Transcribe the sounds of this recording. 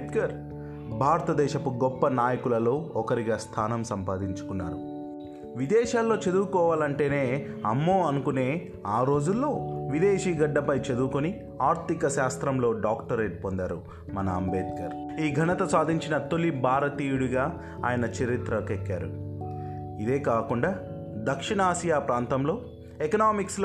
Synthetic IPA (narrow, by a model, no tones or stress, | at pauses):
t̪kɐɾ | bʱaːɾɐt̪ɐd̪ɛːʃɐpuɡɔpːɐnaːjɐkulɐlo̞ːɔkɐɾiɡaːst̪ʰaːnɐmsɐmpaːd̪iɲt͡ʃu̥kunːa̰ːɾu | ʋid̪ɛːʃaːlːo̞ːt͡ʃɐd̪uɾkɔːʋaːlɐɳʈe̞ːne̞ːɐmːoːɐnukune̞ː | aːɾo̞ːd͡ʒulːo̞ːʋid̪eːʃiːɡɐɖːɐpɐjt͡ʃɐd̪uukoni | aːɾt̪ikɐʃaːst̪ɾɐmlo̞ːɖaːkʈɐɾeːɖ̚pond̪a̰ːɾu | mɐnɐːmbeːt̪̚kɐɾ | iːɡʱɐnɐt̪ɐsaːd̪ʱiɲt͡ʃinɐt̪o̞libʱaːɾɐt̪iːjuɽuɡaː | aːjɐnɐt͡ʃɐɾit̪ɾɐkekːaːɾṵ | id̪e̞ːkaːkuɳɖaː | d̪ɐkʂiɳɐaːsijaːpɾaːnt̪ɐmlo̞ː | ekɐnaːmiksl